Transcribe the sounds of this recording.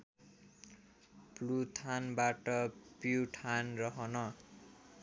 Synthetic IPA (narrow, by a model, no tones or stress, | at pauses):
plut̪ʰanbaʈʌpjuʈʰanrʌɦʌnʌ